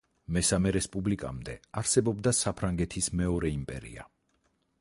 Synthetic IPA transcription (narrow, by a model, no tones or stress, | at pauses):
mɛsamɛɾɛspʼublikʼa̰md̪ɛaɾsɛbɔbd̪asapʰɾaŋɡɛt̪ʰismɛɔɾɛimpʼɛ̰ɾḭa̰